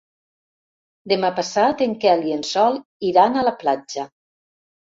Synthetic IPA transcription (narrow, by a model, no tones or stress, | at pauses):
d̪emapasat̪eŋkɛliensɔlˠiɾanalaplad͡ʒa